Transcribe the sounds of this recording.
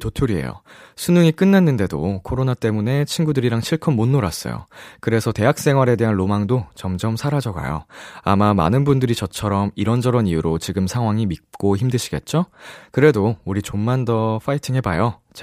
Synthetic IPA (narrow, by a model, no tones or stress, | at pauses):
totʰuɾiɦḛjo̰sʰunuŋik͈ɯnːanːɯnde̞do̰kʰoɾonat͈e̞mune̞t͡ɕʰinɡudɯɾiɾaŋɕʰiɭkʰɯmmonːoɾas͈ʌ̰jo̰kɯɾe̞sʰʌte̞ɦak̚s͈e̞ŋɦwaɾe̞de̞ɦanlomaŋdot͡ɕʌmd͡ʑʌmsʰaɾad͡ʑʌɡa̰jo̰amama̰nɯnbundɯɾit͡ɕʌt͡ɕʰʌɾʌmiɾʌnd͡ʑʌɾʌnijuɾot͡ɕiɡɯmsʰaŋɦwaŋimit̚k͈oçimdɯɕʰiɡe̞̰t̚t͡ɕ͈okɯɾe̞douɾit͡ɕomːandʌɸʰaitʰiŋɦe̞bajot͡ɕ